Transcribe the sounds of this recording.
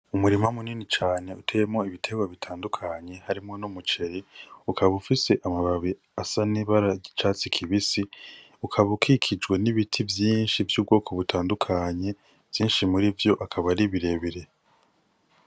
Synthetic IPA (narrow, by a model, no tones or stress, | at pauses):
umuɾimamuniːnit͡ʃaːne̞utʰe̞jemŋo̞iβitʰe̞ɡwaβitʰaːndukʰaɲe̞haɾimŋo̞numut͡ʃe̞ɾiukʰaβufise̞ʔamaβaβi | asaniβaɾaɟit͡ʃaːt͡sikʰiβisi | ukʰaβukʰikʰid͡ʒɡwe̞niβitʰivjiːnʃivjuːb̚ɡo̞ːkʰo̞βutʰaːndukʰaɲe̞ | vjiːnʃimuɾivjo̞ʔakʰaβaɾiβiɾe̞βiɾe̞